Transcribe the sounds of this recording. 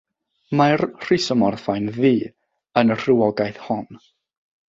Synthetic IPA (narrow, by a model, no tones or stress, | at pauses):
marr̥ɪsɔmɔrθajnðiː | ənər̥ɪwɔɡajθhɔn